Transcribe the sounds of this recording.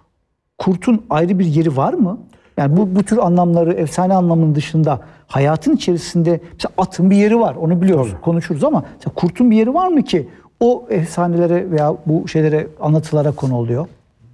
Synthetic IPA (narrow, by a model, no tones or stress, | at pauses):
kʰuɾt̪ʰunajɾɯbiɾje̞ɾivaɾmɯ | jaːnibubut̪ʰyɾanlˠamlˠaɾɯɛfsaːnɛanlˠamɯnd̪ɯʃɯnd̪a | hajaːt̪ʰɯnit͡ʃʰe̞ɾisind̪ɛmɛseaat̪ʰɯmbije̞ɾivaɾo̞nubilʲijo̞ɾuzkʰo̞nuʃuɾuzamaɛ̥selakʰuɾt̪ʰunbije̞ɾivaɾmɯcʰi | oɛfsaːnelʲeɾɛve̞jaːbuʃe̞jlʲe̞ɾɛanlˠat̪ʰɯlˠaɾakʰo̞nuolˠujo̞